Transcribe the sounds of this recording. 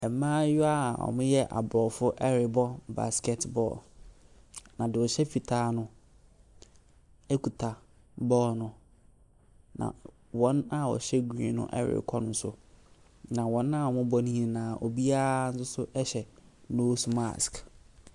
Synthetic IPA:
ɛ˨mãː˦jʊ˦a˦˨ɔ̰˨mʊ̃˦jɛ˦ʔa̰˨bɾɔː˨fʊ˦ʔɛ˦ɾɪ˨bɔ˦ba̰˨skɛ˨tbɔ̰ː˦˨l | nã˨dɪ˨wɔ˨ɕɛ˦fi˨tʰaː˦nʊ̃˦ | ɛ˦kʰu˨tʰa˨ | bɔː˦lnʊ̃˦ | nã̰˨ | wɔ̃˦na˨wɔ̰˨ɕɛ˦ɡĩ˨˦nʊ̰̃˦ʔɛ̰˦ɾɪ̰˨kʰɔ˦nʊ̃˦n̩˦sʊ̰˦ | nã˨wɔ̃˨nːã˦˨ɔ˨mʊ̃˦bɔ˦nĩ˦ĩ˦˨nãː˨ʔo̰˨bi˦a˦ɾa˦n̩˦sʊ˦sʊ˦ʔɛ˦ɕɛ˨ | noː˦sma̰˨sk

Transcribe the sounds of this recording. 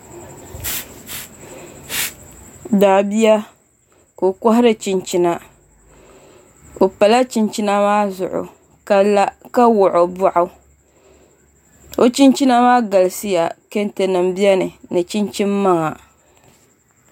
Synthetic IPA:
daː˨bi˦ja˦ | ko˨kɔ˦ɦɪ˦ɾɨ˦t͡ʃi˨nt͡ʃi˦na˦ | o˨pa˨la˦t͡ʃi˦nt͡ʃi˦na˦maː˦zʊ̰˨ʔʊ̰˨ | ka˦la˦ka˦wʊ˨ʔʊ˨bʊ˦ʔʊ˦ | o˦t͡ʃi˦nt͡ʃi˦na˦maː˦ɡa˨lsi˦ja˨ke˦nte˨nɨ˨m̩bi˦ɛ˦nɨ˨nɨ˨t͡ʃi˦nt͡ʃi˦mːa˦ŋa˨

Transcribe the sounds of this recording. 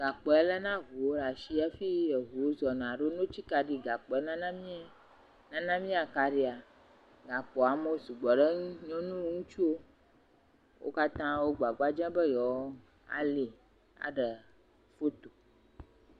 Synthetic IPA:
ɡa˨k͡pɔ˨ɛ˦lə˦nã˦ɦu˨wo˦ɖa˨ʃi˦a˦fi˦je˨ɦu˨o˦zɔ˨nã˨ɖo˦nõ˦t͡ɕi˦ka˨ɖi˨ɡa˨k͡pɔ˨ɛ˦nã˦nã˦mĩ˦ | nã˦nã˦mĩ˦a˨ka˨ɖi˦a˨ | ɡa˨k͡pɔ˨a˨mo˦su˨ɡ͡bɔ˨ɖə˦ɲɔ̃˦nũ˦wŋũ˦t͡ʃu˦o˦ | wʔo̰˦ka˦t̪ã˦wo˦ɡ͡ba˨ɡ͡ba˦d͡ʒɛ̃˦bə˦jɔ˨w | a̰˨li˨ | a̰˨ɖə˨ | fo˦t̪o˨

